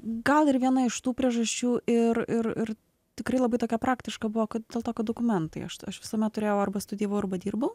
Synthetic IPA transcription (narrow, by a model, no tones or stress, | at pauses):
ɡɐlˠɪrʋʲiɛnɐɪʃt̪uːpʲɾʲiɛʒɐʃʲt͡ʃʲuːʔɪrɪrɪ̰r | t̪ʲɪkɾɐɪlˠɐbɐɪt̪oːkʲɛpɾɑːkt̪ʲɪʃkɐbʊʋoːkɐt̪dʲeːlˠt̪oːkɐt̪̚d̪oːkʊmʲɛnt̪ɐɪɐ̰ʃɐʃʋʲɪsɐmʲɛt̚t̪ʊɾʲeːjɛʊɐrbɐst̪ʊd̪ʲɪjɛʋɐʊɐrbɐd̪ʲiːrbɐʊ